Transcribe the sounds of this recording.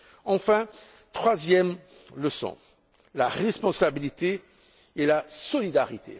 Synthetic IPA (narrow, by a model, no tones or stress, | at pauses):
ɑ̃fɛ̃ | t̪χwazjɛm | ləsɔ̰̃ | laʁɛspɔ̃sabilit̪e | elasɔlid̪aʁit̪ʰḛ